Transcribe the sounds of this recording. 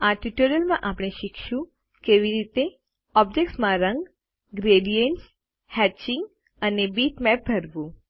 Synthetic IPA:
aʈiʈuɾəlmãʔapɽ̃eʃikʰʃũ | keʋiɾit̪e | ɔbd͡ʒekʈsmãɾə̃ŋɡ | ɡɾeɖijeɳʈs | hɛt͡ʃɪŋɡ | ənebiʈmɛp̚bʱəɾʋũ

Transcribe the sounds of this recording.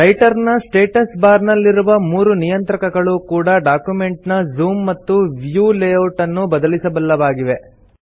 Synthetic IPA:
ɾɐjʈɐɾnɐsʈe̞ːʈɐsbaːɾnɐlːiɾuʋɐmuːɾunijɐnt̪ɾɐkɐɡɐɭukuːɽɐɖaːkjume̞ɳʈnɐzuːmːɐt̪ːuʋjuːleːoʈɐnːubɐd̪ɐlisɐbɐlːɐʋaːɡiʋe̞

